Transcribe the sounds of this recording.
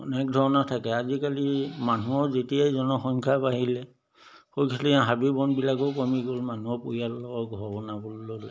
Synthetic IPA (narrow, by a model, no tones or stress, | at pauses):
ɔnɛk̚dʱɔɹɔnatʰakɛazikalimanuɔzetijajzɔnɔxɔŋkʰapaɦilɛ | xojkʰaliãɦabibɔnbilakɔkɔmiɡolmanuɔpojalːɔɔɡʱɔɔbɔnabolːol